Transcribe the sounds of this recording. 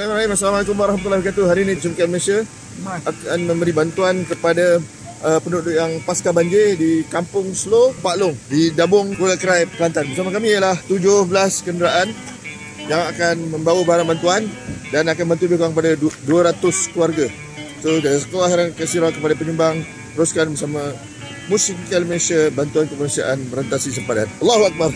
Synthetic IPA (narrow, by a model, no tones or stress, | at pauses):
imaɾaimasalamalakumwaɾaɦamt̪ulabikat̪uɦaɾiːnĩsumkat̪̚məlesia | akanmə̃mbəɾibant̪uankəpada | əpənuʔdʔjaŋpaskabaɲd͡ʒedikampʊŋslopaʔlʊŋdidabʊŋkolakəɾajpkəlant̪anbəɾsamakamĩjəlaht̪ud͡ʒʊhbəlaskəndəɾaʔan | jaŋakanmə̃mbawəbaɦaɾaŋbant̪uandanakanbant̪ubəkuaŋkəpadaduəɾat̪ʊskluwarɡa | sodadasə̥kolahɦɾankəsiɾakəpadapəɲumbaŋ | t̪əɾuskanbəɾsamã | mũsikəlmənesiabant̪uankəmənusia̰ʔanməɾənt̪asis̬əmpada̰nɑlːaɦuak̚bar